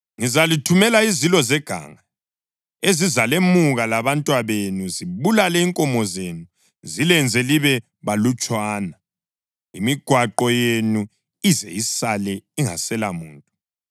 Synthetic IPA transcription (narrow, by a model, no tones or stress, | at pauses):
ŋizalitʰumɛlaizilɔzɛɡ̥ʱa̰ːŋa | ezizalemuɣalaβantʼwaβenuziβulalɛiŋkʼɔmɔzenu | zilɛnd͡zʱɛliβɛ | βalut͡ʃʼwaːna | ḭmiɡ̥ʱwaǃɔjenu | izɛ̰jisalɛiŋa̰sɛlamṵːntʼu